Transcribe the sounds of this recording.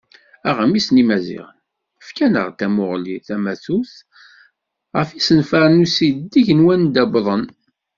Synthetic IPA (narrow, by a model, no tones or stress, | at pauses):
æʁəmisnimæzḭʁən | əfkænə̰ʁt̪æmʊʁliθæmæθuθ | ʁə̰fisənfæɾnusid̪d̪iʝənwænd̪æbðˤən